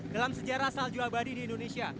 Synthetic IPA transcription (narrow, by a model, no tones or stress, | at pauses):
dalamsəd͡ʒaɾasald͡ʒuabadidiːndonesia